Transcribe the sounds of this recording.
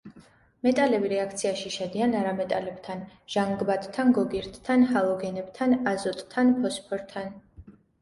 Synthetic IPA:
mɛt̪ʼalɛbiɾɛakʰt̪sʰiaʃiʃɛd̪ianaɾamɛt̪ʼalɛb̥t̪ʰanʒ̥aŋɡbat̪ʼt̪ʰːanɡɔɡiɾt̪ʰʼt̪ʰanhalˠɔɡɛnɛbt̪ʰanazɔt̪ʼt̪ʰːanpʰɔspʰɔɾt̪ʰan

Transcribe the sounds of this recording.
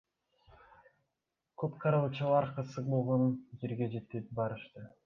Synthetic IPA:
kʰøpqʰɑɾɯlˠt͡ʃɑlˠɑɾqɯsɯqbolˠʁond͡ʒeɾɡʲe̞d͡ʒe̞t̪ːepbɑɾɯʃt̪ɯ

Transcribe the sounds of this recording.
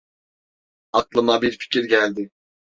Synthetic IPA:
aklˠɯmabiɾfi̥cʰiɾɟælʲd̪ɪ

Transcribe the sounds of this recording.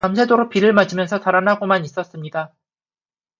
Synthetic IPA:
amsʰedoɾopiɾɯɭmad͡ʑimjʌnsʰʌtaɾanɦaɡomanis͈ʌs͈ɯmɲida

